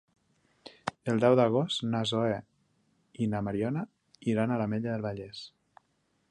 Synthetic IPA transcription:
əlˠd̪ɛwd̪əɣ̞ɔst̪nazoe | inamaɾiɔna | iɾanalameʎaðəlˠβaʎɛs

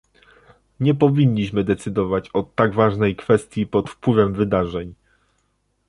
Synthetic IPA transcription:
ɲɛpɔvʲiɲːiɕmɘd̪ɛt̪sɘd̪ɔvat͡ɕɔt̪ːaɡvaʐnɛjkfɛst̪ʲjipɔt̪fpwɘvɛmvɘd̪aʐɛɲ

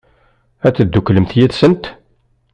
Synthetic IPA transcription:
æt͡sːəd̪ːukːləmθjiðsənt̪

